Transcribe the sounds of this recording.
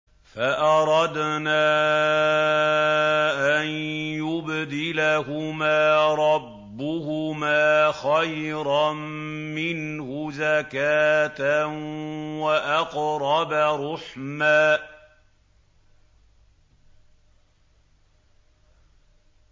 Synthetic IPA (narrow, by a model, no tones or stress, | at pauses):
faʔɑɾˤɑd̪naː | ʔanjʊbd̪ɪlaɦʊmaːɾˤɑbːʊhʊmaːxajɾɑmmɪnhʊzakaːt̪a | waʔɑqɾˤɑbaɾˤʊħmaː